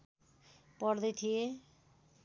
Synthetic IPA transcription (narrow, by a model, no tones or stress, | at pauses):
pɔɽd̪ʌjt̪ʰie